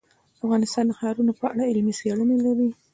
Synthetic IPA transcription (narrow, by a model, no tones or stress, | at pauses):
afɣɑnɪst̪ɑnd̪əxɑɾunopəaɽaɪlmiseɽunelaɾi